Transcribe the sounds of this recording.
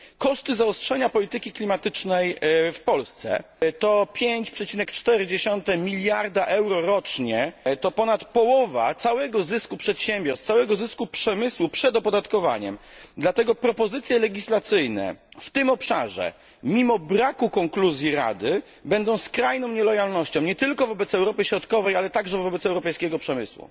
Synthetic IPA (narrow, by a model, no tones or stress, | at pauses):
kɔʂt̪ɘzaɔstʂɛɲapɔlʲit̪ɘkʲiklʲimat̪ɘt͡ʂnɛjfpɔlst̪sɛ̰ | t̪ɔpʲjeɲt͡ɕpʂɛt͡ɕinɛkt͡ʂt̪ɛɾɘd͡ʑeɕɔnt̪ɛmʲilʲjaɾd̪aʔɛwɾɔɾɔt͡ʂɲɛt̪ɔpɔnat̪pɔwɔva̰t̪sawɛɡɔzɘskupʂɛt̪ɕɛmʲbʲjɔɾst̪sawɛɡɔzɘskupʂɛmɘswupʂɛd̪ɔpɔd̪at̪kɔva̰ɲɛ̰md̪lat̪ɛɡɔpɾɔpɔzɘt̪sʲjɛlɛɡʲislat̪sɘjnɛ̰ft̪ɘmɔpʂa̰ʐɛ̰ | mʲimɔbɾakukɔŋkluzʲjiɾa̰d̪ɘ | bɛnd̪ɔ̃w̃skɾajnɔ̃w̃ɲɛlɔjalnɔɕt͡ɕɔ̃w̃ɲɛt̪ɘlkɔvɔbɛt̪sɛwɾɔpɘɕɾɔt̪kɔvɛjalɛt̪aɡʐɛvɔbɛt̪sɛwɾɔpɛjskʲɛɡɔpʂɛmɘswṵ